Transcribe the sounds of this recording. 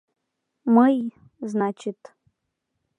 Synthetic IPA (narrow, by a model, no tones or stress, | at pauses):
mɨj | znat͡ʃʰɪtʼ